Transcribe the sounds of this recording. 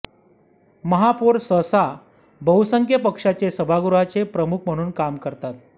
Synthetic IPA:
məɦapuɾsəsa | bəwsəŋkʰjəpəkʂat͡sesəbʱaɡuɾat͡sepɾəmukʰm̤əɽ̃uːnkamkəɾt̪at̪

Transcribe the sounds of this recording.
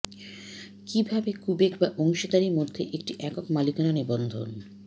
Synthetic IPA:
kibʱabekubekbaʔɔŋʃod̪aɾiɾmod̪ʱːeʔek̚ʈiʔɛkokmalikananibɔnd̪ʱo̰n

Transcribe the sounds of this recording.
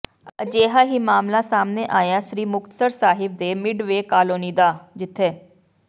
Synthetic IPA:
əd͡ʒeːɦaːɦiːmaːmlãːsaːmneːʔaːjãːʃɾiːmʊkt̪ə̥səɾsaːɦɪb̚d̪eːmɪɖʋeːkaːloːniːd̪aːd͡ʒɪt̪ʰːeː

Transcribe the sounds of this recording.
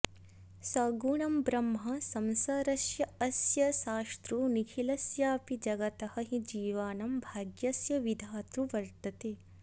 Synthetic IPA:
sɐːɡuːɳɐmbɾɐmɦɐsɐmsaːɾɐsjɐɐsjɐʃaːst̪ɾunikʰilɐsjaːpid͡ʒɐɡɐt̪ɐhɐɦid͡ʒiːʋaːnɐmbʱaːɡjɐsjɐʋid̪ʱaːt̪ɾuʋɐɾt̪ɐt̪eː

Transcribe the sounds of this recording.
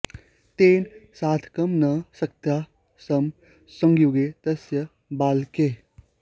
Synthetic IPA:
t̪eːnsaːt̪ʰkɐmnɐsɐk̚t̪jaː | sɐm | sə̃ŋɡjuːɡet̪ɐsjɐ | baːlke

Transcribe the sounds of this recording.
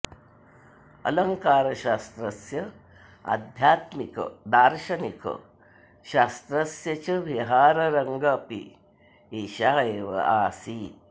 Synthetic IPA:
ɐ̰lɐŋkaːɾɐʃaːst̪ɾɐsjɐ | ɐ̰d̪ʱjaːt̪mikɐ̰d̪aːɾʃɐnikɐ̰ | ʃaːst̪ɾɐsjɐt͡ʃɐʋiɦaːɾɐɾɐŋɡɐːpḭ | iʃaːɦɐeːʋɐ̰aːsi

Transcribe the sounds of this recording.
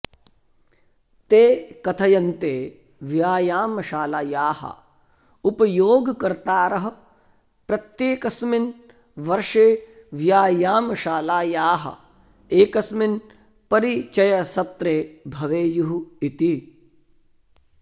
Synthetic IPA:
t̪eːkɐt̪ʰɐjɐnt̪eː | ʋjaːjaːmɐʃaːlaːjaːhɐ̰ | upɐjoːɡkɐɾt̪aːɾɐɦɐ̆ | pɾɐt̪jeːkɐsmin | ʋɐɾʃeː | ʋjaːjaːmɐʃaːlaːjaːɦɐ̰ | eːkɐsmin | pɐɾit͡ʃɐjɐsɐt̪ɾeːbʱɐʋeːjuɦuit̪i

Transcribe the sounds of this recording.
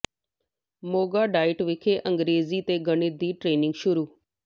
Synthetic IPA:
moːɡaːɖaːɪʈʋɪkʰeːʔəŋɡɾeːziːt̪eːɡəɳɪd̪iːʈɾeːnɪ̃ŋɡʃʊɾuː

